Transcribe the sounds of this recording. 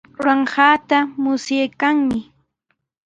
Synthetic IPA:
ɾʊɾɑɴɢɑːt̪amʊsjajkaŋmɪ

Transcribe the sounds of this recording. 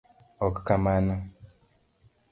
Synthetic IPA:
okkamanɔ

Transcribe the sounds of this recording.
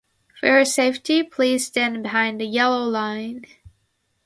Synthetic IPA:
fəseɪftipʰl̥iz̥stæ̃nbɨɦãɪ̃nðɨjɛlˠoʊlãɪ̃n

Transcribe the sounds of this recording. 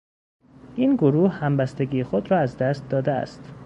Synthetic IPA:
ʔiːnɡoɾuːhhæmbæst̪eɡiːexod̪ɾɒːæzd̪æst̪̚d̪ɒːd̪eæ̰st̪

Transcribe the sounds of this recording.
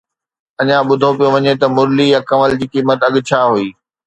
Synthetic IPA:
ɐɲãɓʊd̪ʱopijoʋɐɲet̪ɐmʊɾlijãkɐməld͡ʑiːkiːmət̪ɐɠt͡ɕʰaːɦuiː

